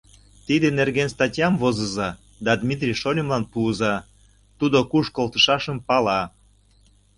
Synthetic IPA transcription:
t̪id̪enerɣenst̪ɑtʲjɑmvozə̆zɑ | d̪ɑd̪mʲit̪̬rʲijʃolʲimlɑnpuːzɑ | t̪ud̪okuʃkolˠt̪ə̆ʃɑʃəmpɑlɑ

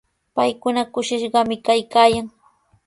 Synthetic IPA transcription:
pajkʊnakʊʃɪʃɢɑmɪkajkaːjaŋ

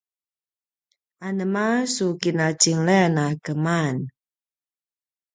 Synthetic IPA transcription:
anəmasukinat͡ʃiŋlɛnakəman

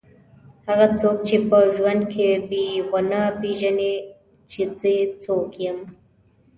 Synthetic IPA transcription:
haɣat͡sok̚t͡ʃepəʒwand̪kʰebeɣanapeʒane | t͡ʃezət͡sokjəm

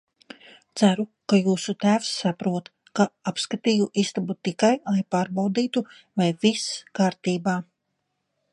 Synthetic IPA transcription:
t̪sæɾukajuːsut̪æːfsːapɾuɔt̪ | kaapskat̪iːjuʔist̪abut̪ikajlˠajpaːɾbawd̪iːt̪u | vajviskaːɾt̪iːbaː

